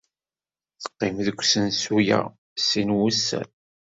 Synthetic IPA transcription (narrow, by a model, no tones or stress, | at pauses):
θə̥qːɪmðəkʷːsənsujæ̰ | sinwusːæ̰n